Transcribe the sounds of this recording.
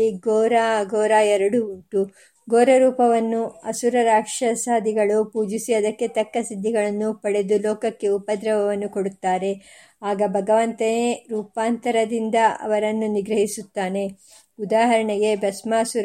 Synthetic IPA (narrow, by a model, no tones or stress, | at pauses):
iɡoːɾaɡoːɾaːɛɾɐɽuuʈu | ɡoːɾɐɾuːpɐʋɐnːuɐsuɾɐɾaːkʂɐsaːd̪ʱiɡɐɭupuːd͡ʒisiʋɐd̪ɐkːe̞t̪ɐkːɐsid̪ʱːiɡɐɭɐnːupɐɽe̞d̪ulɔːkɐkːe̞upɐd̪ɾɐʋɐʋɐnːukoɽut̪ːaːɾe̞ | aːɡɐbʱɐɡɐʋɐnt̪ɐneɾuːpaːnt̪ɐɾɐd̪ind̪ɐɐ̰ʋɐɾɐnːuniɡɾɐɦisut̪ːaːne̞ | ud̪aːɦɐɾɐɳɛɡe̞bɐsmɐɐsuɾ